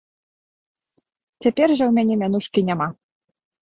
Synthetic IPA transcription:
t͡sʲapʲɛrʐɐwmʲanʲɛmʲanuʂkʲinʲama

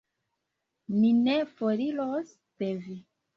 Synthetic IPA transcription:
minefoɾilos | pevi

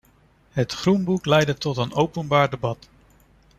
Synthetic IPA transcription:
ɦətχrunbuklɛjdətɔtənowpənbaːɹdəbɑt

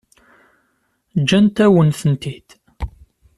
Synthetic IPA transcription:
d͡ʒːænt̪æwənθənt̪id̪

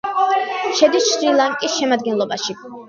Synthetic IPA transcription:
ʃɛd̪isʃɾilˠaŋkʼisʃɛmad̪̚ɡɛnlˠɔbaʃi

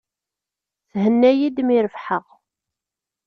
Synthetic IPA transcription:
θhənːæjid̪miɾəfħəʁ

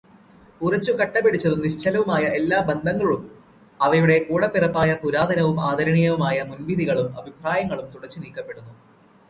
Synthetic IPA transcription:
urɐt͡ɕːukɐʈːɐpːeɽit͡ɕːɐðuniɕt͡ɕʰɐlɐʋumaːjɐe̞lːaːbɐnd̪ʱɐŋːɐɭum | ɐʋɐjuɽe̞kuːɽɐpːirɐpːaːjɐpuɾaːd̪ʱɐnɐʋumaːd̪ʱɐɾɐɳijɐʋumaːjɐmunʋid̪ʱiɣɐɭumɐbʱipraːjɐŋːɐɭumt̪uɽɐt͡ɕːɨniːkːɐpːe̞ɽunːu

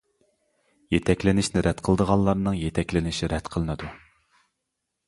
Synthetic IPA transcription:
jet̪ʰɛkʲlɪnɪʃnɪɾʔɛt̪qʰəlˠəd̪əʁɑlˠlːˠɑɾnɨŋjet̪ʰɛkʲlɪnɪʃiɾɛt̪qʰəlˠɨnɨd̪u

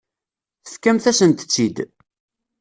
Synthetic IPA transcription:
θəθkæmθæsənt̪ə̥t͡sːid̪

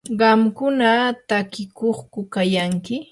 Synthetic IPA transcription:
ɢɑmkʊnat̪akɪkoχkʊkajaŋkɪ

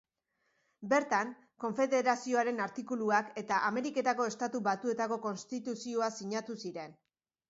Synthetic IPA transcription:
be̞ɾt̪aŋ | ko̞ɱfe̞ðe̞ɾasio̞aɾe̞naɾt̪ikuluake̞t̪aʔame̞ɾike̞t̪ako̞e̞st̪at̪uβat̪ue̞t̪ako̞ko̞nst̪it̪usio̞asiɲat̪usiɾe̞n

